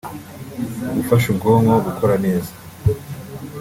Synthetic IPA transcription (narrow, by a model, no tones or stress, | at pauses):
ɡufaʃubɡoːmɡaɡukʰo̞ɾane̞ːzḁ